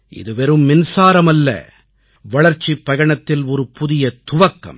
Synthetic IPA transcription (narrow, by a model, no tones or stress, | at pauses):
ʔɪ̰ðɯʋɛɾɯmːɪnsaːɾɐmɐlːɐ̰ | ʋɐɭɐɾt͡ʃːipːɐɣɐɳɐt̪ːɪlɔɾɯpʊðɪjɐt̪ʊʋɐkːɐ̰m